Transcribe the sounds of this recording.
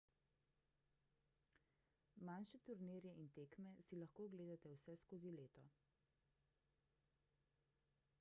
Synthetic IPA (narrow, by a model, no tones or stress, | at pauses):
manʃɛt̪uɾniɾjɛʔint̪eːkmɛsilaxkoːɡleːd̪at̪ɛwsɛskoːzileːt̪ɔ